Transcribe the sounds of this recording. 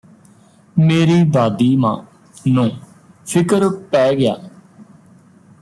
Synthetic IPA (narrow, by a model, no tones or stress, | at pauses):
meːɾiːd̪aːd̪iːmãː | nõː | pʰɪkəɾpɛːɡɪja̰ː